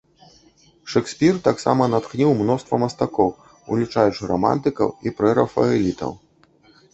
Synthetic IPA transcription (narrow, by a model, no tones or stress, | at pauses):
ʂɛksʲpʲirt̪aksa̰mɐnat̪xnʲiwmnɔst̪vɐmɐst̪akɔw | ṵlʲut͡ʂajut͡ʂɨɾɔma̰nt̪ɨkɐ̰wipɾɛɾɐfɐ̰ɛlʲit̪ɐ̰w